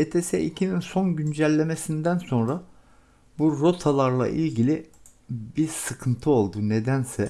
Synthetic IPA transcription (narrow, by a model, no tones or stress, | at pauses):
et̪ʰe̞sɛ̰ʔicʰininso̞nɟynd͡ʒælʲːe̞me̞sind̪ænso̞nɾa | buɾo̞t̪ʰalˠaɾlˠa̰ʔilʲɟilʲibiɾsɯkʰɯnt̪ʰɯo̞lˠd̪une̞d̪ænsɛ